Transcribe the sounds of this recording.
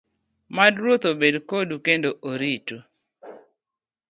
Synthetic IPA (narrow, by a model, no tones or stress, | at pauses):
madɾwot̪obedkodukendoʔoɾitu